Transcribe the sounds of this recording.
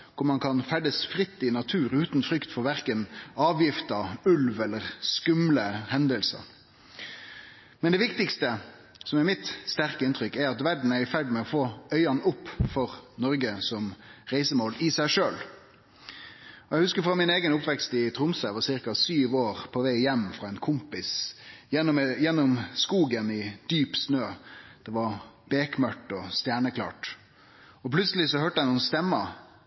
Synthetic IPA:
kʰʊɾmɑnkʰɑnfæɖ̪əsfɾɪt̪ːɪnɑt̪ʰʉːɾʉːt̪nfɾʏkt̪fɔɾʋæʁkənɑːʋjɪft̪ɑʉlʋɛlːəʁskʉmləhɛnd̪əlsə̰ɾ | mɛnd̪ɛʋɪkt̪ɪkst̪ə | sɔmɛɾmɪt̪st̪æʁkəɪnt̪ʰɾʏkːɛɾɑt̪ʋæɖɳ̩æɾɪfæɖmɛɔfoːœʏɑnʊpːfɔʁnɔɾɡəsɔmʁæɪsəmoːlɪsæɪʂøːl | ɔjæɪhʉskəɾfɾɑmɪneːɡənʊpʋɛkst̪ɪt̪ʰɾʊmsəʋɑsɪɾkɑsyːʋoːʁpʰɔʋæɪjɛmːfɾɑɛɪnkʰʊmpɪsjɛjɛnːɔmskuːɡənɪd̪̥yːpsnøːd̪̥ɛʋɑɾb̥eːkmœʈːɔst̪jæːɳəkʰlɑ̰ːʈ | ɔpʰlʉt̪səlɪsɔɦøːʈəæɪnuːənst̪ɛmːə

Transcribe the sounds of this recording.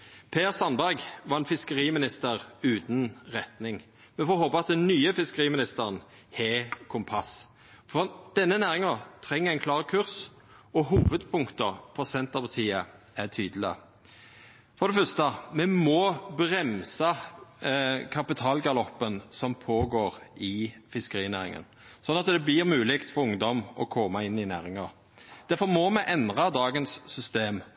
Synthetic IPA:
pʰeːʁsɑnbæɾɡʋɑːɛnfɪskəɾiːmɪnɪst̪əɾʉːt̪nʁɛt̪nɪŋ | mɛnfɔɾhoːpəɑt̪̚d̪ɛnnyːəfɪskəʁiːmɪnɪst̪əʁən | heːkʰʊmpʰɑs | fɔd̪̥ɛnːənæːʁɪŋɑt̪ʰɾɛŋːəæɪnkʰlɑːʁkʰʉʁs | ɔɦuːʋəd̪pʰʊŋkt̪əpʰɔsɛnt̪ɑpʰɑt̪ʰiːə | æt̪ʰyːd̪lɪə̰ | fɔɾd̪ɛfœst̪əmɛmɔbɾɛmsɑ | kʰɑpɪt̪ʰɑːlɡɑlɔpːənsɔmpʰoːɡoːɾɪfɪskəɾiːnæːɾɪ̰ŋə̰n | sɔnːɑt̪d̪ɛblɪɾmʉːlɪkt̪fɔɾʊŋd̪ɔmɔkʰɔmːɑɪnːɪnæ̰ːɾɪŋɑʁ | d̪̥æfɔɾmɔmɛʔɛnd̪ʁɑd̪ɑːɡənsːʏst̪eːm

